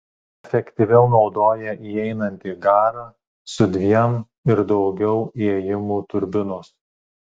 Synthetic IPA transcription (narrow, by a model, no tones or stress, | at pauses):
ɛfʲɛkʲt̪ʲɪʋʲɛʊnɒʊd̪oːjɛʔiɛɪnɐnʲt̪ʲiːɡɑːɾɐ | sʊd̪ʲʋʲiɛm | ɪɾd̪ɒʊɡʲɛʊiɛjɪmuːt̪ʊɾʲbʲɪnoːs